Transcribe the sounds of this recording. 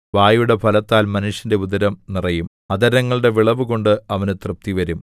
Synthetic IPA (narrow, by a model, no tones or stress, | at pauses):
ʋaːjuɽe̞pʰɐlɐt̪ːaːlmɐnuʂjɐnde̞ud̪ɐɾɐmnirɐjum | ɐd̪ɐɾɐŋːɐɭɨɽe̞ʋiɭɐʋuko̞ɳɖɨɐʋɐnɨt̪rɨp̚t̪iʋɐɾum